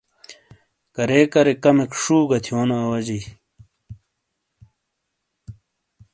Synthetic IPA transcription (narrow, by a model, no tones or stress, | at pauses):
kɐɾeːkɐɾekɐmekʂuːɡɐt̪ʰijoːnaːwɐd͡ʑi